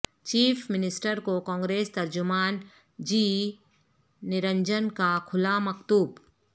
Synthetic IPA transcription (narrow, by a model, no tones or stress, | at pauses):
t͡ʃiːfʰmɪnɪsʈəɾkokɔ̃ːŋɡɾeːst̪ɐɾd͡ʒʊmaːn | d͡ʒiː | nɪɾə̃ɲd͡ʒənkakʰʊlamɐkt̪uːb